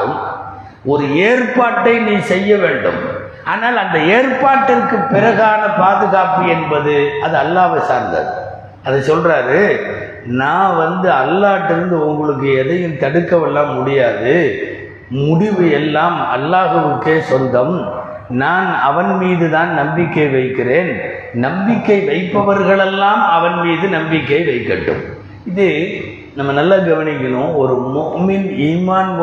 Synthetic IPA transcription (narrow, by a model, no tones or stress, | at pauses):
ɯm | ɔɾɯeːrpaːʈːɐɪniːsɛjːɐʋeːɳɖɯ̰m | ʔaːnaːlɐnd̪ɐeːrpaːʈːɪrkːɯpːɪɾɐɣaːnɐpaːðɯɣaːpɯɛnbɐðɯɐðɯɐlːaːʋɐsaːɾnd̪ɐ̰ðɯ | ɐðɐsɔlraːɾɯ | naːʋɐnd̪ɯɐlːaːʈːɪɾɯnd̪ɯʊŋɡɐɭɯk̬ːɯɛðɐjɯmt̪ɐɽɯkːɐʋɛlːaːmːʊɽɪjaːðɯ | mʊɽɪʋɯjɛlːaːmɐ̰lːaːɣɐʋɯkːeːsɔnd̪ɐm | naːnɐʋɐnmiːðɯðaːnnɐmbɪkːɐɪʋɐɪkːɪreːn | nɐmbɪkːɐɪʋɐɪpːɐʋɐɾɣɐɭɛlːaːmɐʋɐnmiːðɯnɐmbɪkːɐɪʋɐɪkːɐʈːɯ̰m | ɪðɯ | nɐmːɐnɐlːɐɡɐʋɐɳɪk̬ʲːɪɳõːɔɾɯmʊʔmɪniːmaːnʋ